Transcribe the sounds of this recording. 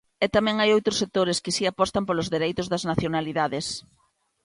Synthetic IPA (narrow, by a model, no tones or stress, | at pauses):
ɛt̪amɛ̃ŋajowt̪ɾʊsek̚t̪oɾɪskɪsiapɔst̪ampolʊzðeɾejt̪ʊzðɐznaθjonaliðaðɪs